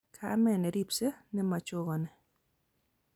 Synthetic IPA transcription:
kʰa˦mɛ˨nɛ˨ɾi˦pse˦nɛ˦ma˨t͡ʃʊ˦ɡɔ˨nɛ˨

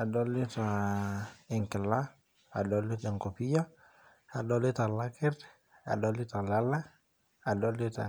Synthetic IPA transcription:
a˨doli˦ta | i˨ŋkɪ˨la˦ | a˨doli˦te˨ŋko˨pi˦ja˦ | a˨do˦li˦ta˨lakɛ˦ɾ | a̰˨doli˦ta˨la˦la˦ | a˨doli˦ta̰˨

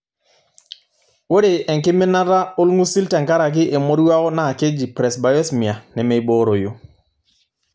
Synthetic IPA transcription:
wo˦ɾe˨ɛ˨ŋkɪ˦me˦na˦ɾa˦o˦lŋu˦si˦lta˨ŋka˦ɾa˨k̬ɪ˦ʔe˨mo˦ɾwa˦ɔ˦na˦˨ke˦d͡ʒi˨pɾɛ˨sba˨jɛ˦smi˨a˨nɛ˨me˨i˨bo˦ɾo˨jo˨

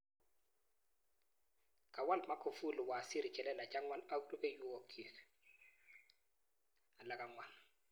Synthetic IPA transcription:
kʼa˨wa˦lma˦kʰo˨fu˦lɪ˨wa˨si˦ɾi˨t͡ʃʼɛ˨lɛ˦la˨t͡ʃʼa˦ŋwa˦la˦u˦rʊ˦ʔe˦ju˦ɔ˨kʰʼi˨ | a˨la˦kʼa˨ŋwa˨n

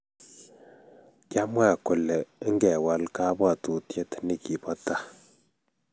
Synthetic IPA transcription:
ka˦mwa˦˨kɔ˨lɛ˨i˦ŋ˦ɡɛ˨wa˨˦lka˦bwa˦˨tu˨tje˦tni˦˨ki˨pɔ˦ta˦

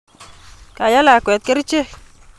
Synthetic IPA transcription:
ka˨ja˦la˨kwɛ˨t̪̚ke˦ɾɪ˦t͡ʃe˦

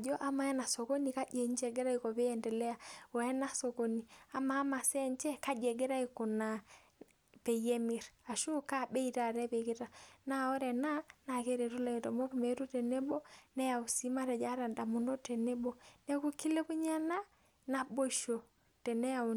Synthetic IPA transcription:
d͡ʒɔ˦ʔa˦ma˨ɛ˦na˨so˨ko˦ni˨ka˦d͡ʒe˨ɲt͡ʃɛ˨ɡe˦ɾa˦iko˨be˦ɛ˨ndɛ˨lɛ˦a˨wɛ˦na˦so˨ko˦ni˨a˦maː˨˦ma˨sɛ˦ɲt͡ʃɛ˦ka˦d͡ʒɛ˨ɡe˦ɾa˦i˨ko˨na˨ | pe˨je˦mi˨ɾa˨ʃu˦ka˦˨be˦ita˨ɾɛ˦be˨ki˦ta˨na˦ɔ˦ɾɛ˨na˦na˨ke˦ɾe˨ɾu˦la˨i˨tɔ˨mo˦ku˨me˨˦ɾu˦te˨ne˦bo˦nɛ˦ja˨u˨si˦ma˦ɾɛ˨d͡ʒa˦ɾa˨nda˨mu˨ndo˦te˨ne˦bo˦nɛ˦ku˦ki˦le˦ku˦ɲa˦na˦ | na˨bo˦ʃo˨ | tɛ˨nɛ˦a˨

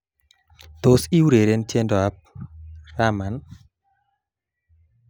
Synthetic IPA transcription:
t̪o˨si˦wɾe˨ɾe˦nt͡ʃje˦ndɔ˨a˦p̚ra˦ma˨n

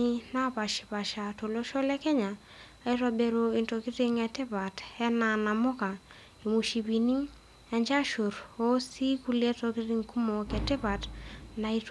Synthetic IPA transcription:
i˦na˦pa˨ʃɪ̥˨pa˨ʃa˨to˨lo˦ʃɔ˦lɛ˦kɛ˦ɲaː˨ | i˦ta˨be˦ɾo˨i˨nto˨kɪ˦ɾɪ˦ŋɛ˨tɪ˦pa˨tɛ˦na˨na˨mʊ˦ka˨ | e˨mu˨ʃi˨pi˨ni˦ | ɛ˨ɲd͡ʒa˦ʃu˨ɾo˦si˦ku˦lɛ˦to˨kɪ˦ɾi˦ŋku˦mo˨kɛ˨tɪ˦pa˨tna˨it

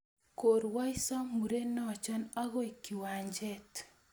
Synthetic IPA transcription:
ko˨ɾwa˦i˦sa˦mu˨ɾe˦nɔ˦˨t͡ʃa˦na˦ɣɔ˦i˨ki˨wa˨ɲd͡ʒɛ˦t

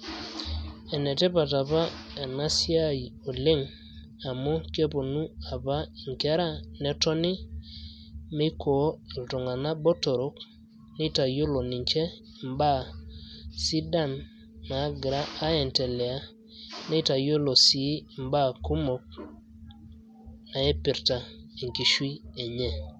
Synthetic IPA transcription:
e˨ne˨tɛ˦pa˨ta˨pa˦a˨na˦si˦a˦˨o˨le˦ŋ | a˨mo˦ke˦po˨nu˦a˨pa˦i˨ŋke˦ɾa˦ne˨˦tɔ˦ni˦ | me˦kʰo˨˦i˨lto˨ŋa˨na˦bo˦to˨ɾo˦k | ni˦ta˨jo˦lo˨ni˨ɲt͡ʃɛ˦˨ | mba˦ | si˦da˦˨nː | a˨˦ɡɾaː˦ɛ˨nte˨lɛ˨a˦ | ne˦ta˨jo˦lo˨si˨˦˨mba˦˨ku˦mo˨k̚ | na˨e˦pi˨ɾta˨e˨ŋki˨ʃwi˦e˨ɲe˦

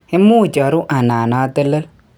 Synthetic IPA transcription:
e˦mu˦˨t͡ʃɔ˨ɾu˦ʔa˨naː˨na˨˦tə˦lə˦

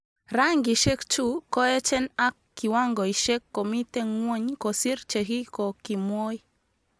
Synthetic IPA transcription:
ɾaŋɡi˨ʃɛ˦kt͡ʃu˦kɔ˦ɛ˦t͡ʃɛ˦na˦k̚kːi˨wa˦ŋɡɔ˨i˨ʃɛ˦kːɔ˨mi˦tɛ˦ŋwɔ˦ɲkɔ˨si˦rt͡ʃɛ˨ɦi˦kɔ˨ki˨mwɔ˦i˦

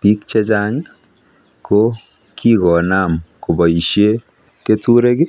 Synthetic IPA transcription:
pi˦kt͡ʃe˦t͡ʃa˦ɲ | ko˦ | kʰi˦kɔ˨na˦˨mko˨bɔ˨i˨ʃje˦ | ke˦tu˦ɾe˦ɡɪ˦

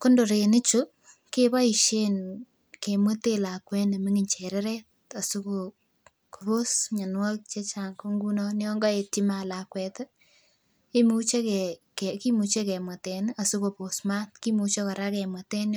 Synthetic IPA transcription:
ko˦ndo˨ɾe˨nɪ˦t͡ʃu | ke˦ba˦i˨ʃen | ke˨mwo˦te˦la˨kwɛ˦ne˨mɪ˦ŋɪɲt͡ʃɛɾɛ˦ɾɛ˦t̚ | a˨su˦ko | ku˨ɾo˦sɲa˨nwa˦k̚t͡ʃe˦t͡ʃaŋko˦ŋɡu˦nɔ˦neɔ˦ŋɡɔ˦e˨tima˨lakwɛ˨t | i˦mu˦t͡ʃe˦kɛkɛ˨ki˦mu˨t͡ʃe˦kɛ˨ma˨te˨na˨su˦ko˨po˨smatki˦mu˨t͡ʃe˦kɔ˨ɾa˦kɛ˨mwɐte˦n

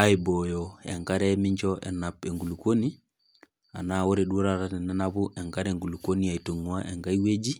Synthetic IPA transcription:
a˦ibojo˨ḛ˨ŋka˦ɾe˦miɲt͡ʃo˦ʔḛ˨na˨pe˨ŋɡu˨lu˨ko˦ni | a̰˨na˦wo˦ɾeɗu˦ɾa˨tate˨ne˦nabu˦ʔe˨ŋkaɾeŋɡu˨luko˦nia˨ito˨ŋu˦a˦ʔe˨ŋka˦ji˦we˦d͡ʒi˦

